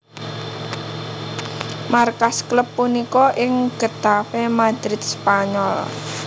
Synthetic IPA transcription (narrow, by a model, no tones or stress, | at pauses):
markaskləpːunikɔʔɪŋɡ̥ə̤t̪afemad̪̥ɾɪt̪̚spaɲɔl